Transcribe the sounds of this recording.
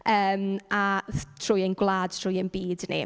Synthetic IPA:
əːmatʰr̥ʊjenɡwlˠaːd̥tʰr̥ʊːjənbiːdnḭ

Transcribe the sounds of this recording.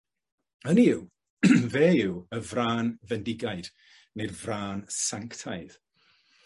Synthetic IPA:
əniɪw | vɛːɪwəvraːnvɛndɪɡajd̥ | nejrvraːnsaŋktʰajð̥

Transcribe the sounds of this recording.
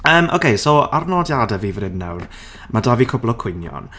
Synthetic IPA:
əːmʔo̰wkʰejsoarnɔdjadɛviːvnɪnna̰wr | madaːvikʰʊblˠɔkʰwʊnjɔ̰n

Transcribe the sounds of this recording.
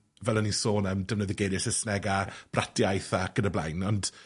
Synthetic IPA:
vɛlˠənisoːnəmdəvnəðɪɡeɾɪsɪsnɛɡab̥ratʰjajθaɡ̥ənəblˠa̰jnɔnd̥

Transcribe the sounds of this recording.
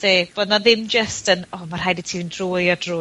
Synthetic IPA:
seːb̥odnaðɪmd͡ʒəstənɔmar̥hajditʰindruːjɔdrʊː

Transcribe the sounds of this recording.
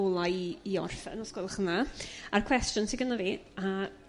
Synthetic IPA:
ɔlˠaiiɔ̰rfɛ̰nɔskwɔlˠχənaarkʰw̥ɛstjʊnsʰiɡənaviːa

